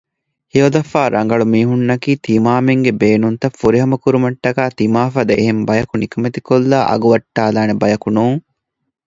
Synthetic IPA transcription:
hiʋɐd̪ɐfaːɾʔɐŋ̆ɡɐɭumiːɦunːɐkiːt̪imaːmeŋɡebeːnunt̪ɐfːuɾiɦɐmɐkuɾumɐʈːɐkaːt̪imaːfɐd̪eʔɦembɐjɐkunikɐmet̪ikolːaːʔɐ̰ɡuʋɐʈːaːlaːnebɐjɐkunuːŋ

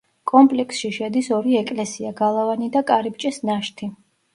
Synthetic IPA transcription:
kʼɔmpʼlɛksʃiʃɛd̪isɔɾiɛkʼlɛsiaɡalˠavanid̪akʼaɾip̚t͡ʃʼɛsnaʃt̪ʰi

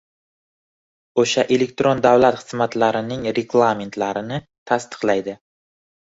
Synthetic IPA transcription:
oʃaʔe̞le̞k̚t̪ɾond̪awlat̪χɨ̥z̥mat̪laɾɪnɪŋɾeɡlˠame̞nt̪ʰlaɾɪnɪ | t̪ʰast̪ɨ̥qlˠajd̪ɪ

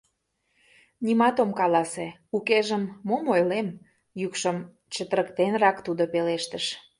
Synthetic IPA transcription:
nimɑt̪omkɑlɑse | ukeʒəmːomojlem | jukʃəm | t͡ɕət̪əɾəkt̪enrɑkt̪ud̪opeleʃt̪əʃ

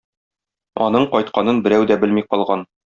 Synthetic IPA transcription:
ɒ̰nɤɴqɒjt̪̚qɑnɤnbɘ̆ɾæwd̪æbɘlmiqɒlˠʁɑn

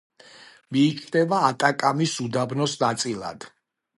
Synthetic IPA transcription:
miːt͡ʃʰd̪ɛvaːt̪ʼakʼamisud̪abnɔsnat̪sʼilˠa̰d̪̥

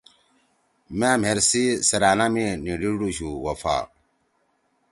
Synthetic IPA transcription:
maːm̤eɾsisɐɾaːnaminiɖiɖuɕuwɐfa̰ː

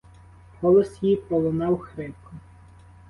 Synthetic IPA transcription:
hɔlˠɔsjijpɔlˠɔnɑwxɾɪpkɔ

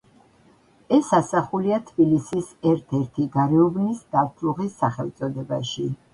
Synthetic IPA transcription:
ɛsasaχuliat̪ʰbilisisɛɾt̪ʰɛɾt̪ʰiɡaɾɛubnisd̪aɾt̪ʰɾuʁisːaχɛlˠt̪sʼɔd̪ɛbaʃi

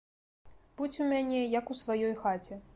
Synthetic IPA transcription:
b̥ut͡sʲumʲanʲɛjɐkusvajɔjxat͡sʲɛ

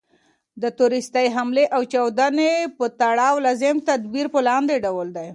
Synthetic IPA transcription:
d̪ət̪uɾɪst̪aɦamleʔawt͡ʃɑwd̪anepət̪aɽɑwlazemt̪ad̪biɾpəlɑnd̪eɖawəld̪aj

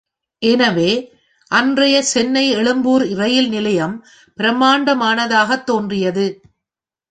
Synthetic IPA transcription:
ʔɛnɐʋeː | ʔɐndrɐjɐsɛnːɐɪɛɭɯmbuːɾɪrɐjɪlnɪlɐjɐm | pɪɾɐmaːɳɖɐmaːnɐðaːɣɐt̪ːoːndrɪjɐðɯ

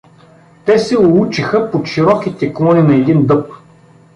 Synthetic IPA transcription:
t̪ɛsɛʊlˠut͡ʃixəpot̪ʃiɾɔkit̪ɛklˠɔninɐɛd̪ind̪ɤp̚

